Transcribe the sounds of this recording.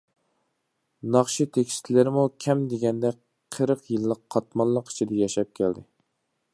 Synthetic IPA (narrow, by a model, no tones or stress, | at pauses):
nɑχʃit̪ʰekʲʰi̥st̪ʰlɪɾɪmukʲʰɛmd̪eɡʲɛnd̪ɛ | qʰəɾəqjilˠːəqʰːɑt̪̚mɑnlˠːəqi̥t͡ʃʰid̪ɛjɛʃɛp̚kʲʰæld̪ɪ